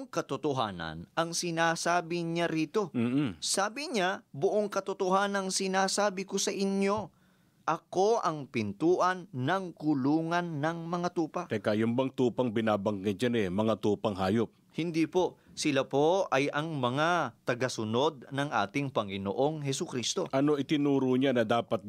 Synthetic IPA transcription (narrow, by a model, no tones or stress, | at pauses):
ŋkɐt̪ʊt̪ʊɦa̰ːnɐ̰nʔɐŋsɪnaːsaːbɪɲaɾiːt̪o̞ːsaːbɪɲabʊʔoŋkɐt̪ot̪ohaːnɐŋsɪnaːsaːbɪkosɐʔɪɲjo̞ | ʔɐko̞ʔɐŋpɪnt̪uːʔɐnːɐŋkʊluːŋɐnːɐŋmɐŋat̪uːpɐʔɐkaːjʊmbɐŋt̪uːpɐŋbɪnaːbɐŋɡɪt̪̚d͡ʒanɛmɐŋat̪uːpɐŋɦaːjop̚hɪnd̪ipo̞sɪlapo̞ɐjɐŋmɐŋat̪ɐɡɐsʊno̞d̪̚nɐŋʔa̰ːt̪ɪŋpɐŋɪno̰ʔo̞ŋɦɛsʊkɾist̪o̞̰ʔɐno̞ʔɪt̪ɪnuːɾʊɲanɐd̪aːpɐt̪̚